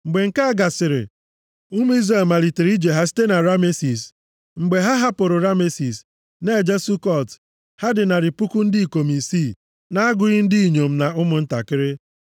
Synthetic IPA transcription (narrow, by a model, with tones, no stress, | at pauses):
ŋ͡m̩˨ɡ͡be˨ŋ̩˦ka˦a˦ɡa˨sɪ˨ɾɪ̰˨ | ʊ˦m˦i˦zɾe˦˨lma˨li˨te˨ɾi˦d͡ʒe˨ɦa˦si̥˦te˦na˨ɾa˦me˦si˨s | ŋ͡m̩˨ɡ͡be˨ɦa˦ɦa˦pʊ˨ɾʊ˨ɾa˦me˦si˨s | ne˦˨d͡ʒe˦su˦kɔ˦˨t | ha˦dɪ˨na˨ɾɪ˨pʊ˦kʊ˦n̩˦dɪ˦i˨ko˨m˨i˨siː˦˨ | na˦a˦ɡʊ˨ɣɪ˦n̩˦di˦i˨ɲo˨m̩˦na˨ʊ˦mʊ˨n̩˦ta̰˨kɪ˦ɾɪ˦